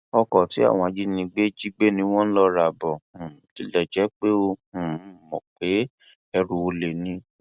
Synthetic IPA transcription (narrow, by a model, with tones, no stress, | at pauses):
ɔ˧kɔ˨ti˨˦a̰˦˨w̃ɔ̃˧a˧d͡ʒi˦nĩ˧ɡ͡be˦d͡ʒi˦ɡ͡be˦nĩ˧˦w̃ɔ̃˦lɔ˧ɾa˨bɔ̃˨˦ti˨˧˦lɛ˦˨d͡ʒɛ˨˦k͡pe˦õ˧˨˦mɔ̰̃˨k͡pe˨˦ | ɛ˧ɾu˧o˧le˨nĩ˧˦